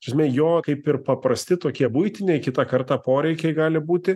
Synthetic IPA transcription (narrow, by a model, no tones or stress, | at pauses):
ʃʲɐsʲmʲeːjoːkɐɪpɪrpɐprɐsʲt̪ʲɪt̪oːkʲiɛbʊɪt̪ʲɪnʲeɛɪkʲɪt̪ɑːkɐrt̪ɑːpoːɾʲɛɪkʲɛɪɡɑːlʲɪbuːt̪ʲɪ